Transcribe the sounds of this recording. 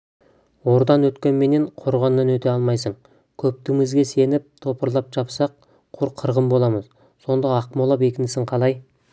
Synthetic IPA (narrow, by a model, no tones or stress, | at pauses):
wo̞ɾd̪ɑnwɵt̪kʲe̞nme̞ne̞ɴqʰoɾʁɑnːɑnwɵt̪e̞ɑlˠmɑjsəɴ | kʲʰɵp̚t̪ɪmɪzɡʲe̞se̞nɪp̚t̪ʰo̞pəɾlˠɑpʒɑpsɑq̚ | qʰʊɾqʰːəɾʁəmbo̞lˠɑməz | so̞nd̪ɑɑqmolˠɑpe̞kʲɪnɪsɪŋqʰɑlˠɑj